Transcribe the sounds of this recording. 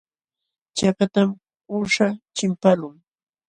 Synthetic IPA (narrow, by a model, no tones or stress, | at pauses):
t͡ʃakat̪am | ʊʂat͡ʃɪmpalʊŋ